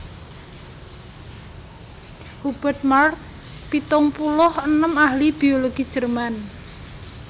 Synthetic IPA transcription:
hub̥ə̤rt̪̚mark̚ | pit̪ʊŋpulʊhənəmahlib̥i̤oloɡ̥i̥ʒ̥ərman

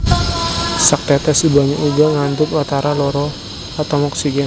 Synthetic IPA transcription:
sak̚t̪ɛt̪ɛsibaɲaʔuɡaŋand̪ʊkɔt̪aɾalɔɾɔ | at̪ɔwmɔksiɡɛn

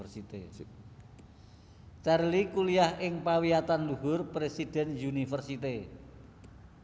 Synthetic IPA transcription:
rsit̪e | t͡ʃarlikuliahɪŋpawiat̪anluɦʊrpɾesid̥ɛ̤njunifərsit̪e

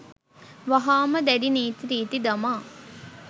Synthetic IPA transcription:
ʋaɦaːməd̪æɖiniːt̪iɾiːt̪id̪amaː

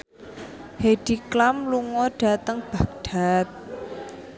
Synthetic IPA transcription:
heɖ̥iklamluŋɔɖ̥a̤t̪əŋb̥a̤k̚ɖ̥a̤t̪̚

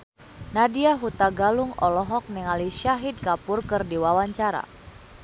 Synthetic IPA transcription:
nadiaɦut̪aɡaluŋɔlɔɦɔk̚nɛŋaliʃaɦid̪̚kapʊrkɨrdiwawaɲt͡ʃaɾa̰

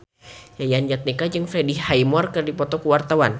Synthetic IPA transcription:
jajand͡ʒat̪̚nikad͡ʒɨŋfɾedihajmɔrkərdipɔt̪ɔkəwart̪awan

